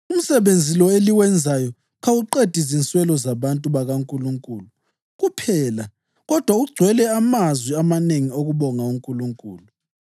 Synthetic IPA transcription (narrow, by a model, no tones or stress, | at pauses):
um̩sɛβend͡zʱilɔeliwɛnd͡zʱajɔ | ɣawuǃed̥ʱizint͡sʼwɛlɔzaβantʼuβaɣaŋkʼuluŋkʼuːlu | ɣupʰɛːla | ɣɔd̥ʱwauɡ͡ǀʱwɛlɛamazwiamaneŋioɣuβɔŋauŋkʼuluŋkʼuːlu